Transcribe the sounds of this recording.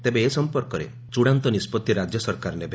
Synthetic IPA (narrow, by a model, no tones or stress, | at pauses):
t̪ebeːsɔmpɔɾkɔɾḛ | t͡ʃuɽ̃ant̪ɔnispɔt̪ːiɾad͡ʒjɔsɔɾkaɾɔnebe